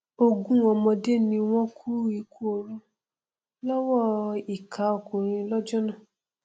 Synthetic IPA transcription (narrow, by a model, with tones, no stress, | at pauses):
o˦ɡũ˦ɔ̃˧mɔ̃˧de˦nĩ˧w̃ɔ̃˦kʰu˦i˨ku˦o˨ɾũ˧ | lɔ˦wɔ˦i˨kʰa˨˦o˨kũ˨ɾ̃ĩ˧lɔ˦d͡ʒɔ˦nã˦˨